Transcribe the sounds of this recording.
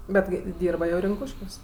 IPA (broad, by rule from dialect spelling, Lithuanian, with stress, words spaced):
ˈbʲɛt kɐɪ ˈdʲiːrbɐ jɛʊ rʲɪŋˈkuːʃʲkʲuɔs